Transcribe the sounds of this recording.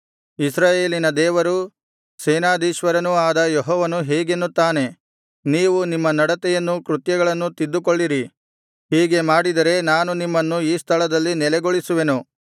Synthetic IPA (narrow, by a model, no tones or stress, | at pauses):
isɾaːje̞ːlinɐd̪ɛːʋɐɾu | sɛːnaːd̪iːʃʋɐɾɐnuaːd̪ɐjeɦɔːʋɐnuɦɛːɡenːut̪ːaːne̞ | niːʋunimːɐnɐɽɐt̪ɛjɐnːukɾut̪jɐɡɐɭɐnːut̪id̪ːukoɭːiɾi | ɦiːɡemaːɽid̪ɐɾe̞naːnunimːɐnːuiːst̪ʰɐɭɐd̪ɐlːinɛlɛɡoɭisuʋe̞nu